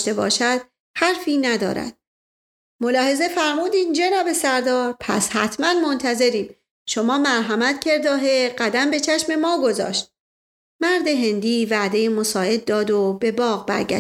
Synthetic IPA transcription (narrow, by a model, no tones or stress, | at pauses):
t̪e̞bɒ̰ːʃæd̪̥̚ | hæɾfiːnæd̪ɒ̰ːɾæ̰d̪̥̚ | mo̞lɒːhe̞ze̞fæɾmuːd̪iːmd͡ʒeɾæbe̞sæɾd̪ɒːɾpʰæ̰shæt̪ʰmænmo̞nt̪ʰæze̞ɾiːm | ʃo̞mɒːmæɾɦæmæt̪cʰe̞ɾd̪ɒːɦeɢæd̪æmbe̞t͡ʃʰæʃme̞mɒːɡo̞zɒ̰ːʃt̪̚ | mæɾd̪e̞ɦe̞nd̪iːvæd̪e̞jemo̞sɒːʔe̞d̪̚ːɒːd̪obe̞bɒːɣbæ̰ɾɡæ̰